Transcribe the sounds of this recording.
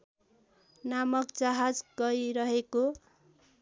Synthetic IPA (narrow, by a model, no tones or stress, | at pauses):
namʌkd͡zaɦad͡zɡʌjɾʌɦeko